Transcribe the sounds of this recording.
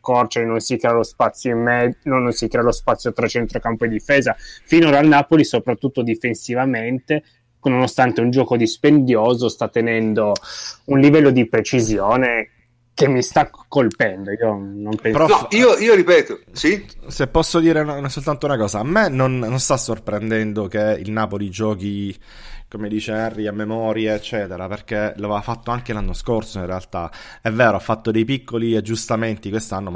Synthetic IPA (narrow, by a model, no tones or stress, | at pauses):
kɔrt͡ʃainonsikɾealospat̪sːjoimːɛd̪nonːonsikɾeːalospat̪sːjot̪ɾat͡ʃent̪ɾokampoed̪ːifeːzafinoalnaːpolisopɾat̪ːut̪ːod̪ifensivament̪e | nonost̪ant̪eund͡ʒɔːkod̪ispend̪joːzost̪at̪ːenɛnd̪ounlivɛlːod̪ipɾet͡ʃizjoːne | kemːist̪akːolpɛnd̪oiːonompɛpeɾɔiːoiːoɾipɛːt̪osisepːɔsːod̪iːɾeɛsːolt̪ant̪ounakɔːzaːmːenonːonst̪asːorpɾend̪ɛnd̪ok̟eḭlnaːpolid͡ʒɔːki | komed̪iːt͡ʃeɛrːiamːemɔːɾjeet͡ʃːɛːt̪eɾaperkeloavevafat̪ːoaŋkelanːoskorsoinrealt̪aɛvːeːɾoafːat̪ːod̪ejpikːoliad͡ʒːust̪ament̪ikwest̪anːom